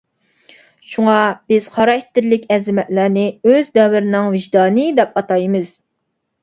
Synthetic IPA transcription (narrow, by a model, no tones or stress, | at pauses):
ʃuŋɑb̥ɪz̥χɑɾɑkʰʲt̪ʰːɪɾlɪkʲɛzɪmɛt̪læɾnɪøzd̪ɛwɪɾɪnɪŋvɪʒd̪ɑːnɨd̪ɛp̚ɑt̪ɑjmɨz̥